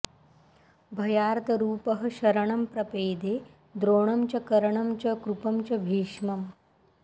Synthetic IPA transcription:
bʱɐjaːɾt̪ɐɾuːpɐɦɐ̆ɕɐɾɐɳ̃ɐmpɾɐpeːd̪e | d̪ɾoːɳɐmt͡ɕɐkɐɾɐɳ̃ɐmt͡ɕɐkɾupɐmt͡ɕɐbʱiːʂmɐm

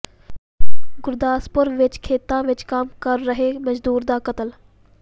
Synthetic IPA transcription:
ɡʊɾd̪aːspʊɾʋɪt͡ʃkʰeːt̪ãːʋɪt͡ʃkaːmkəɾːəɦeməd͡ʒd̪uːɾd̪aːkət̪əl

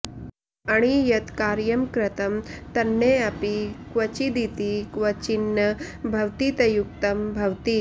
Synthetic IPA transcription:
ɐɽ̃ijɐt̪kaːɾjɐmkɾɐt̪ɐmt̪ɐnːeɐpikʋɐt͡ʃid̪it̪ikʋɐt͡ɕinːɐbʱɐʋt̪it̪ɐjuk̚t̪ɐmbʱɐwt̪i

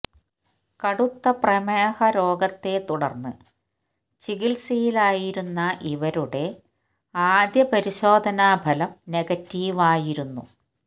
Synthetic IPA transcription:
kɐɽut̪ːɐprɐmeːhɐɾo̞ːɡɐt̪ːe̞t̪uɽɐrnːɨ | t͡ɕiɣilsijilaːjiɾunːɐʔiʋɐɾuɽe̞ | aːd̪jɐpɐɾiɕo̞ːd̪ʱɐnaːbʱɐlɐmneɡɐtːiːʋaːjiɾunːṵ

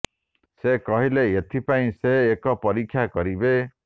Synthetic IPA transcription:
sekɔɦileet̪ʰipaĩseːkɔpɔɾikʰːjakɔɾibe

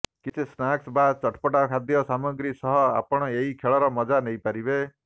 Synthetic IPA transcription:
kit͡ʃʰesnaksbat͡ʃɔʈʰpɔʈakʰad̪jɔsamɔɡɾisɔɦɔa̰pɔɽ̃ɔeikʰeɭɔɾɔmɔd͡ʒanejpaɾibe

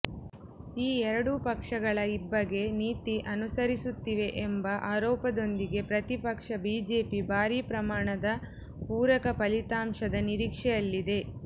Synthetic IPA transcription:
iːɛɾɐɽupɐkʂɐɡɐɭɐibːɐɡe̞niːt̪iʔɐnusɐɾisut̪ːiʋe̞ʔembɐʔaːɾɔːpɐd̪o̞nd̪iɡe̞pɾɐt̪ipɐkʂɐbiːd͡ʒe̞ːpibʱaːɾiːpɾɐmaːɳɐd̪ɐ | puːɾɐkɐpɐlit̪aːmʂɐd̪ɐniɾiːkʂɛjɐlːid̪e̞

